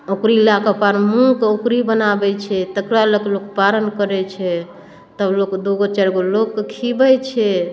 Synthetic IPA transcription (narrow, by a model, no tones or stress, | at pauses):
okɾilakapaɾmũkokɾibənabɛt͡ʃʰɛt̪əkɾaləklokpaɾənkəɾɛt͡ʃʰɛ | t̪əblokd̪oɡot͡ʃɛɾɡolokːkʰibɛt͡ʃʰɛ